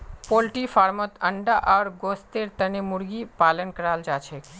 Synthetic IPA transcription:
polʈifaɾmɔt̪əɳɖaʔaɾɡost̪eɾt̪ənemuɾɡipalənkəɾald͡ʒat͡ʃʰe

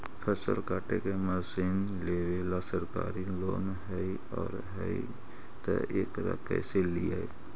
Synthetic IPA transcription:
pʰəsə̰lkaːʈekemasin | leːʋeːlasəɾka̰ːɾiloːn | ɦəi | ɔːɾɦəḭ | t̪ə̰eːkɾə̰kə̰seliai

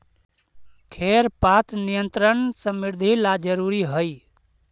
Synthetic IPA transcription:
kʰeɾpat̪nijənt̪ɾənsə̃miɾd̪ʱilad͡ʒəɾuɾiɦəj

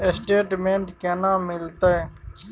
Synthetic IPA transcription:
esʈeːʈmẽːɳʈkeːnãːmɪlt̪əj

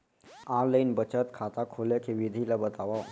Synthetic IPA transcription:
ãːləɪnbət͡ʃət̪kʰaːt̪akʰoːlekʰeʋɪd̪ʱilabət̪aːʋa

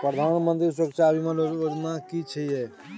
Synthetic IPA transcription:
pɾəd̪ʱanmənt̪is̬wəkt͡ʃʰabimelood͡ʒnakit͡ʃʰəjɛ

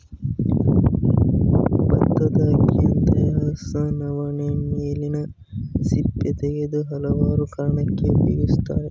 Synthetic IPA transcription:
bɐt̪ːɐd̪ɐɡijɐnt̪ɐjaːsɐnɐʋɐɳeneːlinɐ | sipːet̪eɡed̪uɦɐlɐʋaːɾukɐɾɐɳɐkːebḛɡust̪a̰ːɾe

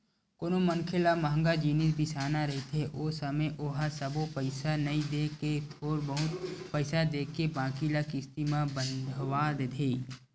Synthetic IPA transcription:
koːnomənkʰelamɐɦə̃ŋɡad͡ʒiːnɪs̬bʱisaːnaɾɐɦet̪eʔoːsəməjʔoɦasəbopəɪsanɐĩd̪eːket̪ʰoːɾbəɦʊt̪pəɪsad̪eːkebãːkilakɪst̪imãbənd̪ʱʋaːd̪ed̪ʱeː

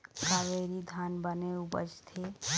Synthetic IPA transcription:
kaːʋeːɾid̪ʱaːnbəneubə̰d͡ʒt̪ʰe

